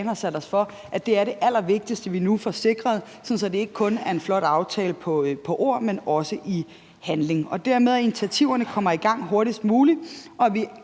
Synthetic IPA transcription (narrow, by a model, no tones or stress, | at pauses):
nhɑsæɾ̥ɒsfɒ̽ | ʔæd̥e̝æɐɾe̝ʔæl̰ɐʋe̝ɡ̥̚d̥isd̥əʋinufɒse̝ɡ̥ʁɐð̞ˠsɒ̽n̩sɒ̽d̥e̝e̝ɡ̥ə̥kʰɔ̽næɐe̝nflɒ̽ɾ̥ɑ̈ʊt͡sʰɛːləpʰɒ̽pʰɒ̽ʔo̝ɐ̰menɒ̽səʔi | hænle̝ŋɒ̽d̥æɐ̰með̞ˠinit͡sʰiæt͡sʰiʊ̰ɐnəkʰɒ̽m̰ɐiɡ̥ɑ̈ŋ̰ɦo̝ɐɾisd̥muːliʔɒ̽ʋi